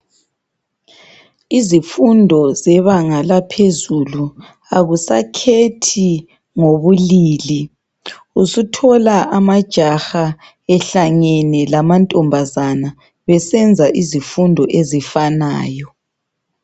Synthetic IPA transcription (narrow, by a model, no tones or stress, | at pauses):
izifundʱɔzɛβaŋalapʰezulu | aɣusa̰kʰetʰi | ŋoβuliːli | usutʰɔlaʔamad̥ʒ̥ʱaxa | ɛɬaŋɛnɛlamantʼɔmbʱazana | βɛsɛnd͡zʱaʔizifundʱɔʔezifanaːjɔ